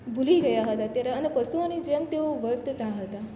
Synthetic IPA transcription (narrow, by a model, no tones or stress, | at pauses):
bʱuliɡəjaɦət̪at̪jaɾaənəpəsuanid͡ʒemt̪eoʋəɡt̪ət̪aɦət̪a